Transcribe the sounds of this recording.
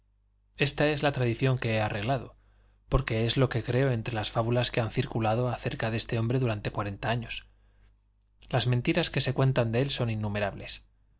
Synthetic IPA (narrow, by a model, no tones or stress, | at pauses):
e̞st̪ae̞zlat̪ɾaðiθjo̞ŋke̞eare̞ɣ̞lað̞o̞̰ | po̞ɾke̞e̞zlo̞ke̞kɾe̞oe̞nt̪ɾe̞lasfaβulaske̞anθiɾkulaðo̞aθe̞ɾkaðe̞st̪e̞o̞mbɾe̞ðuɾant̪ekwaɾe̞nt̪aaɲo̞s | lazment̪iɾaske̞se̞kwe̞nt̪and̪eelso̞ninːume̞ɾaβle̞s